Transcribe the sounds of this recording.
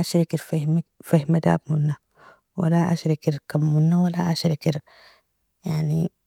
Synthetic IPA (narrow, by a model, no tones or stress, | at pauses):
ʔaʃɾikiɾfihmfahmad̪a̰ːbmunːa | wa̰laʔa̰ʃɾikiɾkamːunːawalaʔaʃɾikiɾ | jaʕni